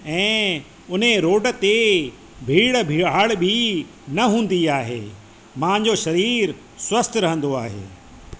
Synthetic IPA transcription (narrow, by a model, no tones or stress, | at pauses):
ɛ̃ː | ʊn̤eɾoːɖə̆t̪e | bʱiːɽəbʱi̤ːaːɭbʱɪ | nɐɦũːn̆d̪iaːɦḛː | mãːɲd͡ʑoʃɐɾiːɾ | swɐst̪ɾɐɦə̃n̆d̪oaːɦḛː